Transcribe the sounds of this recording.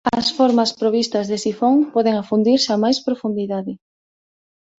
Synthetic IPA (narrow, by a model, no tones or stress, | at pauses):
ɐsfɔɾmɐspɾoβ̞ist̪ɐzðesifoŋpɔðɪŋafund̪iɾsamajspɾofund̪iðaðɪ